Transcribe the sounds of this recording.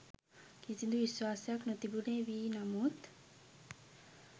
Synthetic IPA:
kisind̪uʋiswaːsjaknot̪ibuɽeʋinamut̪

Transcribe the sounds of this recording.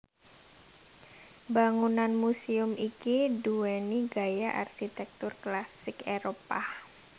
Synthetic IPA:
baŋunanmusiʊmʔikidueniɡajaʔa̰rʃit̪ɛk̚t̪ʊrklasɪkeɾopa

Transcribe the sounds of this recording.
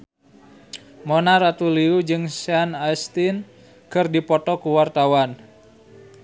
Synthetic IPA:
monaɾat̪uliud͡ʒɨŋsanajst̪in | kɨrdipɔt̪ɔkuwart̪awan

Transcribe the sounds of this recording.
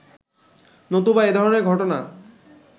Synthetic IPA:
not̪ubaed̪ʱɔɾoneɾɡʱɔʈona

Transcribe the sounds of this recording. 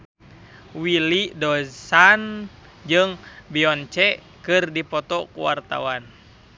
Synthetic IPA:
wilidɔsan | d͡ʒɨŋbiɔnt͡ʃɛ | kɨrdipɔt̪ɔkuwa̰rt̪a̰wan

